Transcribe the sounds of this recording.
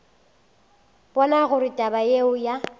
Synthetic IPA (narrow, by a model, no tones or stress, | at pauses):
b̥ɔnaɣʊɾɪtʼabajeʊja